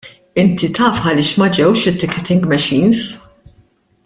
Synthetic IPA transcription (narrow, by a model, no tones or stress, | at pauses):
ɪnt̪it̪ɐːfħɐlɪːʃmɐd͡ʒɛwʃɪt̪ːɪkːɛt̪ɪŋɡmɛʃiːns